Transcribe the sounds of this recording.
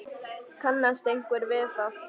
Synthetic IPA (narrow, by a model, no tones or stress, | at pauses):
kʰanːast̪eŋ̥kʷɛɾveːfa